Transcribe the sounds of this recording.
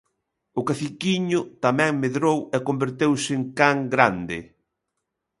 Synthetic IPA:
ʊkafikiɲʊt̪amɛ̃ŋmeðɾowɛkombeɾt̪ewsɪŋkaŋɡɾand̪ɪ̰

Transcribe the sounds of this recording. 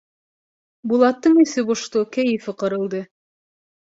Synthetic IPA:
bulˠɑt̪ːɤɴisɘbŏʃt̪okæjɘ̆fɘqɤ̆ɾɤ̆lˠd̪ɤ

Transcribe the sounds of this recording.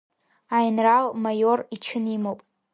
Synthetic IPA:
ajnralmajorit͡ʃʰɨnimowpʼ

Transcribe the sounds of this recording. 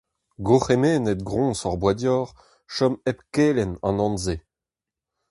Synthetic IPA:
ɡoχemeːnɛt̪̚ɡʁɔ̃sɔʁbwadjɔːʁ | ʃɔmɛpkeːlɛnɑ̰̃nɑ̃nze

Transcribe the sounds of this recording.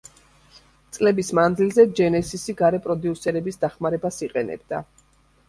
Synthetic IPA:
t̪sʼlɛbismand̪zilzɛd͡ʒɛnɛsisiɡaɾɛpʼɾɔd̪iusɛɾɛbisd̪aχmaɾɛbasiqʼɛnɛ̰bd̪a̰

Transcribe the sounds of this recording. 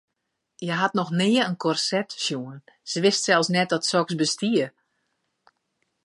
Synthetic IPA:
jɛɦatnɔxnɪəənkʰɔrsɛtʃjuənsəʋɪstsɛlˠsnɛt̚dɔtsɔksbəstiə

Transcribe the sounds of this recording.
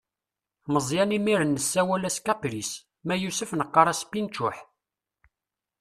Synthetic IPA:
məzˤjænimiɾənːəsːæwælæskæpɾis | mæjusəfnəqːɑɾˤæspint͡ʃʊħ

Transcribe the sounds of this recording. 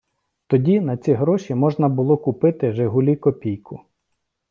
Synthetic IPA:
t̪ɔdʲinɐt͡sʲiɦɾɔʃʲimɔʒnɐbʊlˠɔkʊpɪt̪ɪʒeɦʊlʲikɔpʲijkʰʊ

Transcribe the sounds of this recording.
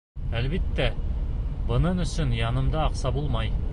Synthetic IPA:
ælβit̪ːæ | bɤ̆nɤnɵ̆sɵnjɑnɤ̆md̪ɑːqsɑbulˠmɑj

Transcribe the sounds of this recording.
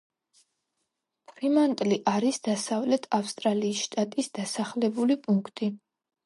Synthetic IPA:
pʰɾimant̪ʼliʔaɾisd̪̥asavlɛt̪ʰafst̪ʼɾaliːsʃt̪ʼat̪ʼisd̪̥asaχlɛbulipʼuŋkʰt̪ʼi

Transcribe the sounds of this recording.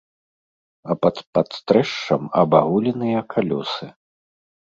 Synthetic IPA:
ɐpɐt̪pɐt̪st̪ɾɛʂt͡ʂɐmɐbaɣulʲinɨjɐkʰalʲɔsɨ

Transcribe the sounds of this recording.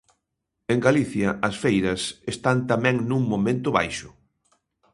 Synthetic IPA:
eŋɡaliθjɐɐsfejɾɐsest̪ant̪amɛ̃ŋnũŋmomẽnt̪ʊβajʃʊ̥

